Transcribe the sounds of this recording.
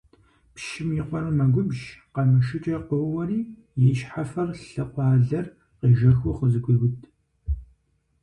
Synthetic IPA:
pʃɪmjiqʷɔrɐmɐɡʷʊbʒqɐmɐʃɨt͡ʃʼɐqəwwɐriː | jɛʃħafɐrɬɨqʷɑːɮɐr | qiːʒɐxʷʊqəzɨɡʷʼʊɣʊtʰ

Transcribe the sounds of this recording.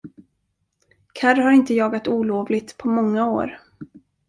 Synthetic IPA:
kʰaɾhaɾɪnt̪əjɑːɡat̪uːloːvlɪɡt̪pʰɔmɔŋːao̰ːɾ

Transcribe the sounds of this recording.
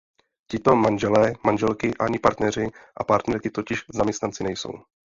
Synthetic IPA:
cɪt̪o̞manʒɛlɛːmanʒɛlkɪʔaɲɪpaɾt̪nɛr̝ɪʔapaɾt̪nɛɾkɪt̪o̞cɪʃzamɲɛst̪nant͡sɪnɛjso̞̰w

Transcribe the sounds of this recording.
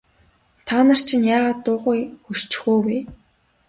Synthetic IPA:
t̪ʰanə̆r̥t͡ɕʰĭnjaːʁaːt̪ːʊːʁʊjxur̥t͡ɕxoːwe

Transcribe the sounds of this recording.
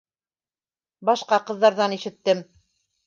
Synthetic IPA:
bɑʃqɑqɤ̆ðːɑɾðɑniʃɘ̆t̪ːɘm

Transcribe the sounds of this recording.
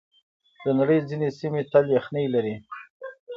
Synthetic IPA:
d̪̥ənaɽəjd͡zinesimet̪alexnəjlaɾi

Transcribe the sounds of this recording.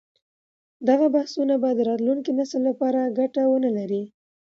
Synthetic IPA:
d̪aɣabahsunabajad̪ːəɾɑt̪luŋkinasəlːapɑɾaɡaʈawənəlaɾi

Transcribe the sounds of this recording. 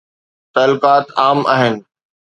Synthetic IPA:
t̪ɐlʊkaːt̪aːma̰ːɦɪnɪ̆

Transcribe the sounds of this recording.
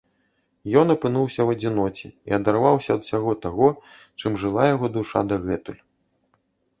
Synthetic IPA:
jɔnɐpɨnuwsʲɐwɐd͡zʲinɔt͡sʲḭiɐd̪arvawsʲɐɐd̪usʲaɣɔt̪aɣɔ | t͡ʂɨmʐɨlˠajaɣɔd̪uʂad̪aɣɛt̪ulʲ

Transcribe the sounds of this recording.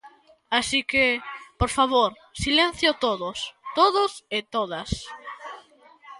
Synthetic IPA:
asikepoɾfaβoɾ | silen̟θjot̪oðost̪oðʊsɪt̪oðas

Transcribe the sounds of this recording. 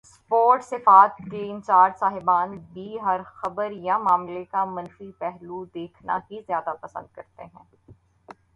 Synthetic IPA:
spoːɾʈsɪfaːt̪̚keɪ̃nt͡ʃaːɾd͡ʒsaːɦɪbaːnbʱiɦɐɾxɐbəɾjamaːmlekamɐ̃nfipɛɦlud̪eːkʰna̰kizjaːd̪apɐsə̰̃nd̪̚kɐɾt̪eɦɛ̰̃ː

